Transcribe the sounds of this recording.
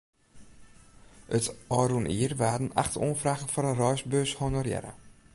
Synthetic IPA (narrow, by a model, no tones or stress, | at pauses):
ʔətɔːɾunʔiːərʋaːdən̩a̰χto̰ːnfraɣən̩fɔɾərɔjsbøːshonorjɛ̰ɾə̰